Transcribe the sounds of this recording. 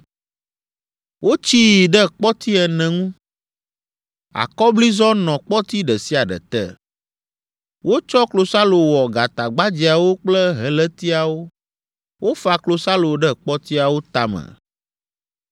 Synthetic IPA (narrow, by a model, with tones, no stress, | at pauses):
wʔo˦t͡ɕi˦jɖɛ˦k͡pɔ˦t̪i˦ɛ˨nɛ̃˨ŋũ˦ | a̰˨kɔ˦bli˦zɔ˦nɔ̃˨k͡pɔ˦t̪i˦ɖɛ˨si˦a˨ɖɛ̰˨t̪ɛ̰˦˨ | wo˦t͡ʃɔ˦klo˨sa˦lo˨wɔ˨ɡa˨t̪a˨ɡ͡ba˦d͡ʑi˨a˨wo˦k͡plɛ˦ɦɛ˨lɛ˦t̪i˦a˨wo˦ | wʔo˦fa˨klo˨sa˦lo˨ɖɛ˦k͡pɔ˦t̪i˦a˨wo˦t̪a˦mɛ̰˨